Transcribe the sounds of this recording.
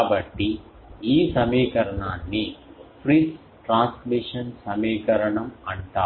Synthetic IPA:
bɐʈːi | iːsɐmeːkɐɾɐɳaːnːipʰɾis | ʈɾaːnsmiʂɐnsɐmeːkɐɾɐɳɐmɐɳt̪aː

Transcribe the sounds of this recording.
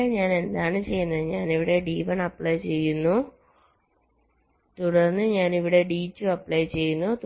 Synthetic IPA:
eɲaːne̞nd̪aːɳɨt͡ɕeːjːunːɐðɲaːniʋiɽe̞ːɖiːʋɐɳɐpɭɐjt͡ɕeːjːunːu | t̪uɽɐnːɨɲaːniʋiɽe̞ːɖiːt͡ɕːuɐpːlɐjt͡ɕe̞ːjːunːut̪

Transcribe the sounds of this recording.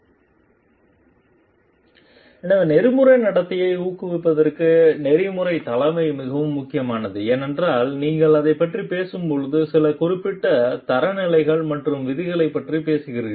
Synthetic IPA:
ɛnɐʋnɛɾɯmɯɾɐɪnɐɽɐt̪ːɪjɐɪuːkɯʋɪpːɐðɐrkɯnɛɾɪmɯɾɐɪt̪ɐlɐmɐɪmɪɣɐʋɯmːʊkːɪjɐmaːnɐðɯeːnɛndraːlniːŋɡɐɭɐðɐɪpːɐʈripeːsɯmpɔɻɯðɯsɪlɐkʊrɪpːɪʈːɐt̪ɐɾɐnɪlɐɪɣɐɭmɐʈrɯmʋɪðɪɣɐɭɐɪpːɐʈripeːsɯɣɪɾɯ

